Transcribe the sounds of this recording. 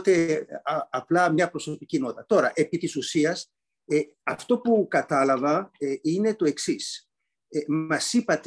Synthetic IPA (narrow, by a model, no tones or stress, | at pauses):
t̪e̞ | ɐplɐmɲɐpɾo̞so̞picino̞t̪ɐt̪o̞ɾɐʔe̞pit̪isusiɐs | e | ɐft̪o̞pukɐt̪ɐlɐvɐine̞t̪o̞e̞ksis | emɐsipɐt̪